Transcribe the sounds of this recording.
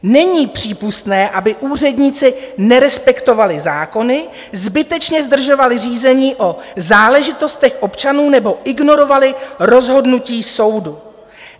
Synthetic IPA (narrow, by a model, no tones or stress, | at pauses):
nɛɲiːpr̝̥iːpust̪nɛːʔabɪʔuːr̝ɛdɲiːt͡sɪnɛɾɛspɛkt̪o̞valɪzaːko̞nɪ | zbɪt̪ɛt͡ʃɲɛzd̪r̩ʒo̞valɪriːzɛɲiːʔo̞zaːlɛʒɪt̪o̞st̪ɛxʔo̞pt͡ʃanuːnɛbo̞ʔɪɡno̞ɾo̞valɪɾo̞zɦo̞dnuciːso̞wdu